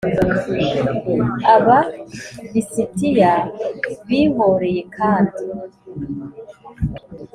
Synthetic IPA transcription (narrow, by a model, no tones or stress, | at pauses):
aβaβisitijaβiːmoɾe̞je̞kʰaːndi